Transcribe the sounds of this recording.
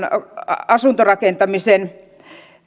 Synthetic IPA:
nɑsuˑnt̪orɑkent̪ɑmisen

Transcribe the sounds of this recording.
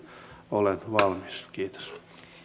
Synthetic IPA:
olet̪ʋɑlmiskiːt̪o̥s

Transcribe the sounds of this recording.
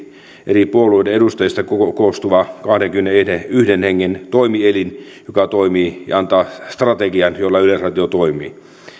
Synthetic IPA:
ʔeripuoluˑideeɾust̪ɑjist̪ɑkokoˑst̪uʋɑkɑhdeŋkymenːeedeyhdenheŋːent̪oimielin | jokɑt̪oimiːjɑ̰ɑnt̪ɑːst̪rɑt̪eɡiɑnjolːɑylesrɑt̪iot̪oimˑḭː

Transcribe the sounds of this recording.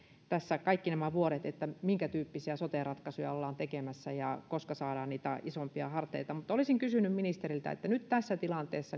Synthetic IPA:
t̪æsːækɑikːinæmæʋuoɾet̪et̪ːæmiŋkæt̪yːpːisiæsot̪erɑt̪kɑsujɑ̰olːɑːnt̪ekemæsːæjɑkoskɑsɑːɾɑːniːt̪æisompiɑ̰hɑrt̪ˑeit̪ɑmut̪ːolisiŋkysynymminist̪erilt̪æ̰ḛt̪ːænyt̪t̪æsːæt̪ilɑnt̪eːsːɑ

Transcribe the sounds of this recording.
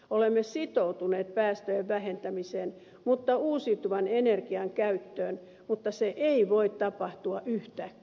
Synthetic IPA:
olemːesit̪out̪uneːt̪̚pæːst̪øjeʋʋæhent̪æmiseːn | mut̪ːɑuːsit̪uʋɑnenerkiɑŋkæyt̪ːøːn | mut̪ːɑseʔeiʋoit̪tɑpɑht̪uɑʔyht̪ækː

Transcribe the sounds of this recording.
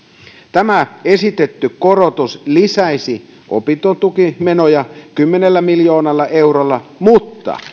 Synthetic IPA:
t̪æmæesit̪et̪ːykkorot̪uslisæisi | ʔo̰pit̪ont̪ukimenojɑkymːenelːæmiljo̞ːnɑlːɑʔeurolːɑmut̪ːɑ̰

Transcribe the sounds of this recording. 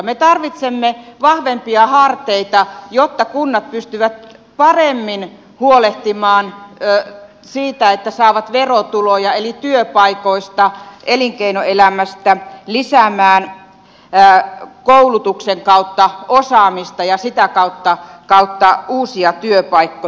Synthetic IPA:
met̪ɑrʋit̪semːeʋɑhʋempiɑhɑrt̪eit̪ɑjot̪ːɑkunːɑt̪̚pyst̪yʋæt̪̚ | pɑremːin | huoleht̪imɑːn | siːt̪æet̪ːæsɑˑːʋɑt̪ʋerot̪ulojɑelit̪yøpɑikoist̪ɑʔeliŋkeinoelæmæst̪ælisæmæːn | koulut̪ukseŋkɑut̪ːɑosɑːmist̪ɑjɑsit̪ækɑut̪ːɑkɑut̪ːɑuːsiɑt̪yøpɑikːo

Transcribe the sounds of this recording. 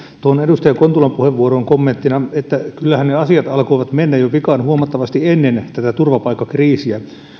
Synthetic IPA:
t̪oonedust̪ɑjɑkont̪ulɑmpuheʋʋuoɾoːŋkomːent̪ːinɑet̪ːækylːæhænneɑsiɑt̪ɑlkoiʋɑt̪menːæjoʋikɑːnhuomɑt̪ːɑʋɑst̪ienːent̪æt̪æt̪urʋɑpɑikːɑkriːsiæ

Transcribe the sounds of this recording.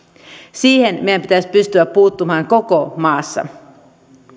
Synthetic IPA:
siːhenmejæmpit̪æsʲpyst̪yæppuːt̪ːumɑːŋko̞komɑːsːɑ̰

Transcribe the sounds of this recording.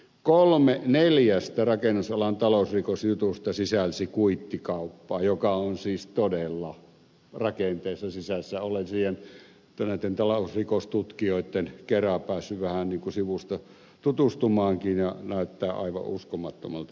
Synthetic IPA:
kolmeneljæst̪ærɑkenːusɑlɑnt̪ɑloˑusrikosjut̪ust̪ɑsisælsikuit̪ːikɑˑupːɑːjokɑonsiːst̪odelːɑ | rɑkent̪eˑːsːɑsisæsːæolensiːhen | t̪næˑit̪ːent̪ɑloˑusrikost̪ut̪kioˑit̪ːenkerɑpæːsːyʋæhænniːŋkusiʋust̪ɑ | t̪ut̪ust̪umɑːŋkinjɑnæˑyt̪ːæːʔɑ̰ˑiʋɑ̰ʔʔuskomɑt̪ːo̰mɑlt̪

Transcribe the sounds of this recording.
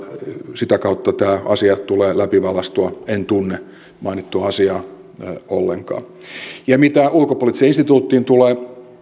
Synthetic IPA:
sit̪ækɑut̪ːɑt̪æːɑ̰siɑt̪uleːlæpiʋɑlɑst̪uɑent̪unːe | mɑinit̪ːuɑɑsiɑː | o̰lːeŋkɑ̰ːjɑmit̪æulkopolit̪iseinst̪it̪uːt̪ːiːnt̪uleː

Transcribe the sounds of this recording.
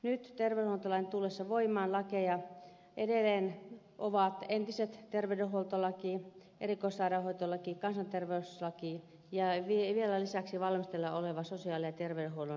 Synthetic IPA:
nyt̪t̪erʋeyholt̪olɑinet̪ulːesːɑʋoimˑɑːnlɑkejɑ | ʔedelːˑeːn | ʔoʋɑˑt̪ent̪iset̪t̪erʋey̆dehuolt̪olɑkiː | ʔerikoisːɑˑɾɑhoit̪olːɑkikɑnsɑnt̪erʋeuslɑkiːˑ | jɑʋiʋielælisæksiʋɑlmist̪elːɑoleʋɑsosiɑːlejɑt̪erʋeydehuono

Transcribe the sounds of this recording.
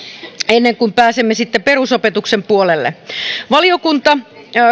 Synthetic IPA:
enːeŋkumpæːsemːesit̪ːeperusopet̪uksempuolelːḛʋɑliokunt̪ɑ

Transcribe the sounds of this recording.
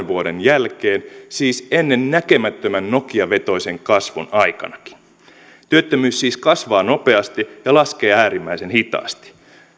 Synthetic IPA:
ʋuode̞njælkeːnsiːse̞nːe̞nnækemæt̪ːømænno̞kiɑʋe̞t̪o̞ise̞ŋkɑsʋonɑjkɑ̰nɑki̥n | t̪yøt̪ːømyːsːiːskɑsʋɑːno̞pe̞ɑst̪ijɑlɑske̞ːæːɾimːæise̞nhit̪ɑ̰ːst̪i̥

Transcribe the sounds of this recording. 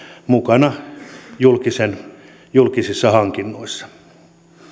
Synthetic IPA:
mukɑnɑjulkisen | julkisisːɑhɑŋkinːoisːɑ̥

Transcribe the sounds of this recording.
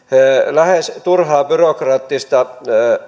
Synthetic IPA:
læhest̪urhɑːbyrokrɑːt̪ːist̪ɑ

